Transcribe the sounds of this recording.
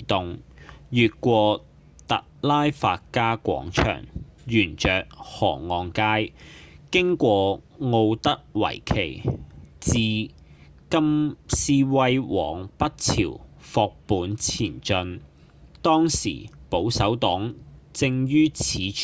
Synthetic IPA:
t̪ʊ˨ŋjyː˨t̚kʷɔː˧ | t̪ɐ̰˨k̚laː˥jfaː˧t̚kaː˥kʷɔ̰ː˨˥ŋt͡ʃʰœ̰ː˨˩ŋjyː˨˩nt͡ʃœː˨k̚hɔː˨˩ŋːɔː˨ŋkaː˥jkɪ˥ŋkʷɔː˧ | ŋo˧wt̪ɐ˥k̚wɐ̰˨˩jkʰe˨˩jt͡siː˨˧ | kɐ˥msiː˥wɐ˥jwɔː˨˩ŋpɐ˥t̚t͡sʰḭː˨˩wfɔː˧k̚puː˨˥nt͡sʰiː˨˩nt͡ʃɵ˧n | t̪ɔː˥ŋsḭː˨˩po˨˥wsɐ˨˥wt̪ɔː˨˥ŋt͡sɪ˧ŋjyː˥t͡sʰiː˨˧

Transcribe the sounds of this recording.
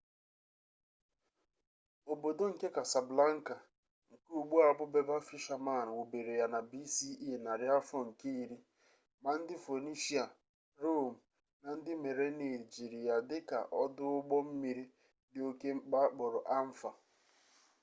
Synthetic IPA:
o˨bo˨do˦ŋ̩˨ke˦ka˨sa˨bla˦ŋ̩˦ka˨ | ŋ̩˨ku˦˨ɡ͡bu˦a˨bʊ˦be˦ba˦fi˦ʃa˨ma˦˨n̩˨wo˨be˨ɾe˨ja˨na˨bi˦si˦i˦˨na˨ɾɪ˦a˦fɔ˦ŋ̩˨ke˦i˦ɾi˦ | ma˨n̩˦dɪ˦fo˨ni˦ʃi˦a˨ | ɾo˦m̩˨ | na˨n̩˦dɪ˦me˨ɾe˦ni˨d͡ʒi˨ɾi˨ja˨dɪ˦ka̰˨ʔɔ˦dʊ˦ʊ˦ɡ͡bɔ˦m̩˦mi˨ɾi˦ | dɪ˦o˦ke˦ŋ͡m̩˦k͡pa˦k͡pʊ˨ɾʊ˨ʔa˦m̩˦fa˨

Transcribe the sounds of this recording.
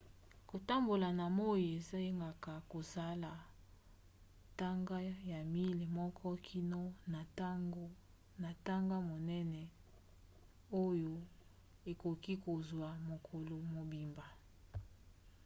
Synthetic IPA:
ko˨ta˦mbo˨la˨na˨mo˦je˨za˦je˦ŋɡa˨ka˨ko˨sa˦la˨ | ta˦ŋɡa˦ja˨mi˦le˨mɔ˦kʰɔ˦kʰi˦no˦na˨tɡ | na˨ta˦ŋɡa˦mo˨nɛ˦nɛ˨ | o˦jo˦ | e˨ko˨ki˦ko˨zwa˨mo˨kʰo˨lo˨mo˨bi˨mba˨

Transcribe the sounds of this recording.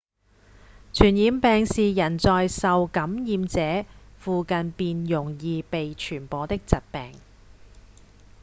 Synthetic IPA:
t͡ʃʰyː˨˩njiː˨˧mpɛː˨˧ŋsiː˨jɐ˨˩nt͡sɔː˨jsɐ˨wkɐ˨˥mjiː˨˧mt͡sɛː˨˥fuː˧kɐ˨npiː˧njʊ˨˩ŋjiː˨˧pe˨jt͡ʃʰyː˨˩npɔː˨˧t̪ɪ˥k̚t͡sɐ˨t̚pɛ̰ː˨ŋ

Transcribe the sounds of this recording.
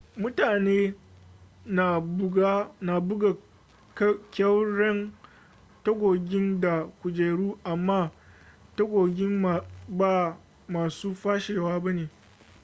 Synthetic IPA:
mʊ˦taː˨neː˦ | na˨˦ɡa˦na˨bʊ˦ɡa˨ | kkʲɐ˦wɽɛ˦n | tɐ˦ɡʷoː˨ɡʲɪ˦nda˨kʷʊ˨d͡ʒeː˨ɽuː˦ʔa˨mːaː˦tɐ˦ɡʷoː˨ɡʲɪ˦m˨ba˦˨ | maː˨suː˦ɸaː˦ʃeː˨waː˦bɐ˦neː˨

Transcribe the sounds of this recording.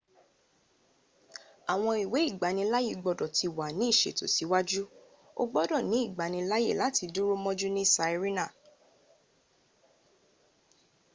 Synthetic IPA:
a˨w̃ɔ̃˧i˨we˨˦i˦˨ɡ͡ba˨˦nĩ˧la˦je˦˧˨ɡ͡bɔ˧dɔ˨tʰi˧˨wa˨nĩ˨˦i˦˨ʃḛ˨to̰˨si˨˦wa˦d͡ʒu˦ | o̰˦ɡ͡bɔ˦dɔ˦˨nĩ˨˦i˦˨ɡ͡ba˨nĩ˧la˦jḛ˦˨la˨˦ti˧du˦ɾo˦mɔ̃˦d͡ʒu˦nĩ˦sa˧i˧ɾi˦nã˦˨

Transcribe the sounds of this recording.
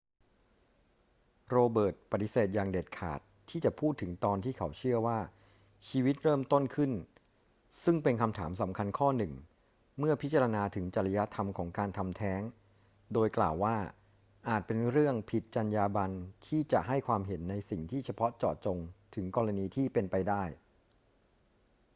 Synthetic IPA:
ɾoː˧bɤː˨˩t̪̚pa˨˩t̪i˧˦seː˨˩t̪̚jaː˨˩ŋdeː˨˩t̪̚kʰa̰ː˨˩t̪ʰːiː˥˩t͡ɕa˨˩pʰuː˥˩t̪ʰːɯ˩˦ŋt̪ɔː˧nt̪ʰiː˥˩kʰa˩˦wt͡ɕʰɯ˥˩əwaː˥˩ | t͡ɕʰiː˧wi˦˥t̪̚ɾɤː˥˩mt̪o˥˩nkʰɯ˥˩n | sɯ˥˩ŋpe˧nkʰa˧mt̪ʰaː˩˦msa˩˦mkʰa˧nkʰɔː˥˩nɯ˨˩ŋ | mɯ˥˩ɐpʰi˦˥t̪̚t͡ɕa˧ɾa˧naː˧t̪ʰɯ˩˦ŋt͡ɕa˧ɾla˧ja˦˥t̪ʰa˧mkʰɔː˩˦ŋkaː˧nt̪ʰa˧mt̪ʰɛː˦˥ŋ | doː˧jklaː˨˩wːaː˥˩ | ʔaː˨˩t̪̚pe˧nɾɯ˥˩əŋpʰi˨˩t̪̚t͡ɕa˧njaː˧ba˧nt̪ʰiː˥˩t͡ɕa̰˨˩ʔɦa˥˩jkʰwaː˧mɦe˩˦nːa˧jsi˨˩ŋt̪ʰiː˥˩t͡ɕʰa˧pʰɔ˦˥t͡ɕɔ̰ː˨˩t̪̚t͡ɕo˧ŋt̪ʰɯ˩˦ŋkɔː˧ɾa˧niː˧t̪ʰiː˥˩pe˧npa˧jdaː˥˩j

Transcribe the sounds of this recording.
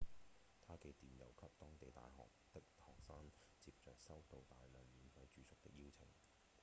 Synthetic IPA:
t̪ʰaː˥ke˧t̪iː˨˩njɐ̰˨˩wkʰɐ˥p̚t̪ɔː˥ŋt̪e˨jt̪a̰ː˨jɦɔ̰ː˨k̚t̪ɪ˥k̚hɔː˨k̚saː˥n | t͡siː˧p̚t͡ʃœː˨k̚sɐ˥wt̪o˨wt̪aː˨jlœː˨ŋjyː˨˧fɐ˨˧jt͡ʃyː˨˧sʊ˥k̚t̪ɪ̰˥k̚jiː˥wt͡sʰɪ̰˨˩ŋ

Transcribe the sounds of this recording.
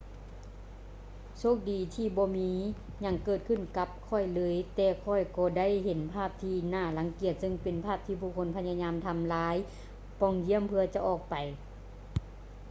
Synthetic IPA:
sʰoː˧˥˩k̚diː˨˩t̪ʰiː˧˩bɔː˧miː˧˦ | ɲa˧˩ŋkɤː˧˩t̪̚kʰɯ˧˨nka˧˦p̚kʰɔ˧˩jlɤː˧˥jt̪ɛː˧˩kʰɔ˧˩jkɔː˧da˥˨jhe˨˦npʰaː˥˩p̚t̪ʰiː˧˩naː˧˩la˨˦ŋki˧˩ət̪̚sɯ˧ŋpe˨npʰaː˥˩p̚t̪ʰiː˧buː˧˩kʰo˧˥˨npʰa˧˥ɲa˧ɲaː˧mt̪ʰa˧mlaː˨˦˥j | pɔː˧˨ŋd͡ʑi˧˥əmpʰɯ˧ɐt͡ɕa˧˦ʔɔː˨˩k̚pa˨˩j

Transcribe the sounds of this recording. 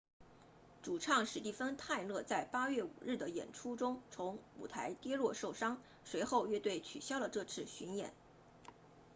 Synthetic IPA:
ʈ͡ʂu˨˩ʈ͡ʂʰɑ˥˩ŋʂɻ̩˧˥t̪i˥˩fə˥nt̪ʰa˥˧ɪlɤ˥˧t͡sa˥˩ɪpa˥ɥɛ˥˩ṵ˨˩ɻɻ̩˥˩d̪ə˩jɛ̰˨˩nʈ͡ʂʰu˥ʈ͡ʂʊ˥ŋt͡sʰʊ˧˥ŋṵ˨˩t̪ʰa˧˥ɪt̪jɛ˥lwɔ˥˧ʂo˥˩ʊʂɑ˥ŋ | swe˧˥ɪxo˥˧ʊɥɛ˥˧t̪we˥˩ɪt͡ɕʰy̰˨˩ɕjɑ˥ʊlə˨ʈ͡ʂɤ˥˧t͡sʰɹ̩˥˩ɕy˧˥njɛ̰˨˩˦n

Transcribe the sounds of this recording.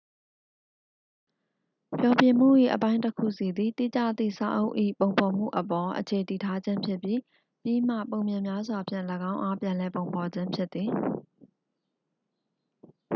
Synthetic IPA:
pjɔ˨pjɪ̃˨m̥ṵ˦˨ʔḭ˦˨ʔə˨pã˦ɪ̃ntəkʰṵ˦˨si˨d̪ðḭ˦˨t̪ḭ˦˨t͡ɕä̰˦˨t̪ðḭ˦˨sa̰˨ʔo˦ʊʔḭ˦˨põ˨ʊ̃mpʰɔ˨m̥ṵ˦˨ʔəpɔ˨ʔət͡ɕʰe˨ti˨tʰa˦d͡ʑɪ̃˦mpʰjɪ˦pji˦ | pji˦˨m̥ä̰˦˨põ˨ʊ̃mjã˨mja˦zwa˨pʰjɪ̰̃˦˨ləɡã˦ʊ̃ʔa˦pjã˨lɛ˨põ˨ʊ̃mpʰɔ˨d͡ʑɪ̃˦mpʰjɪ˦t̪ːði˨

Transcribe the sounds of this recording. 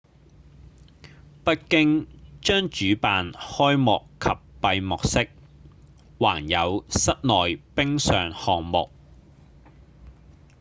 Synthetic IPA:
pɐ˥t̚kɪ˥ŋt͡ʃœː˥ŋt͡ʃyː˨˥paː˨˧nhɔː˥jmɔ˨kʰːɐ˨pːɐ˧jmʊ˨k̚sɪ˥k̚ | wa̰ː˨˩ŋjɐ˨˧wsɐ˥t̚nɔː˨˩jpɪ˥ŋsœː˨ŋhɔː˨ŋmʊ̰˨k̚

